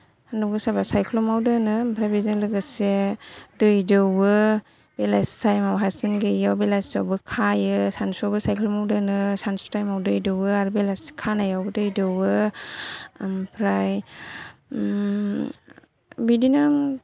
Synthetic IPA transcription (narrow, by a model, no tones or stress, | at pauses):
handɔɡɯsabasajkʰlɔmawdɯnɯmpʰɾajbizelɯɡɯsedɯjdɯwɯ | belastʰajmawɦasmenɡejawbelajstawbɯkʰajɯsansɔwbɯsajkʰlɔmawdɯnɯsanstajmawdɯjdɯwɯaɾbelaskʰanajawbɯdɯjdɯwɯ | mpʰɾaj | bidina